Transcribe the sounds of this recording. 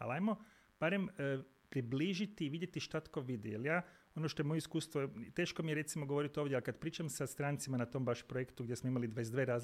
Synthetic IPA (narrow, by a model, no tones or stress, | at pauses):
a̰lajmo̞ | b̥aɾe̞m | pɾibliʒit̪iːʋid̪jet̪iʃt̪at̪ko̞ʋid̪ḭjeljaː | o̞noʃt̪o̞jeojeiskuːst̪ʋot̪e̞ːʃkomijeɾe̞t̪simoɡoʋo̞ɾit̪io̞ʋdʲjealkad̪pɾiːt͡ʃamsast̪ɾaːnt̪simanat̪o̞mbaʃpɾojekt̪uɡdʲjesmoimalid̪ʋaezd̪ʋeːɾaːz